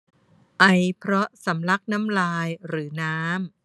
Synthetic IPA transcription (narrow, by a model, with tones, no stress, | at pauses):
ʔa˧jpʰɾɔ˦˥sa˩˦mla˦˥k̚na˦˥mlaː˧jɾɯː˩˦naː˦˥m